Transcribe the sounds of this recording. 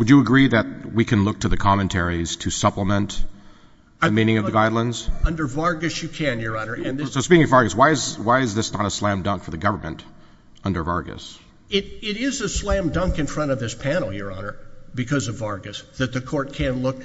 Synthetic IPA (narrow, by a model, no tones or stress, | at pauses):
wɨd͡ʒɨəɡɹiðɨt̚wikʰɨ̃nlʊk̚tʰɨðɨkʰɑmɨ̃ntʰɛɹiz̥tʰɨsʌpləmə̃nt | ɨmĩñɪ̃ŋʌvðɨɡaɪdˡlə̃ndz̥ʌ̃ndə˞vɑɹɡɨsjɨkʰɨ̃njə˞ʌnə˞ɨ̃nðsoʊspikɪŋʌvɑɹɡɨswaɪɨzwaɪɨzðɪsnəɾəslæ̃mdʌ̃ŋkfə˞ðɨɡʌvə˞mɨ̃nt | ʌ̃ndə˞vɑɹɡɨ̰s | ɪɾɪɾɪzɨslæ̃mdʌ̃ŋkɨ̃nfɹʌ̃ɾ̃ʌvðɪspʰænl̩ˠjə˞ɑnə˞bɨkʰʌzʌvɑɹɡɨsðɨt̪̚ðɨkʰɔɹt̚kʰɨ̃nlʊk